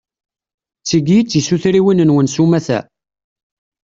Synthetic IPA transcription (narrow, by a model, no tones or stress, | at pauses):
t͡sːiɡjit͡sːisuθɾiwinənwənsumæθæ̰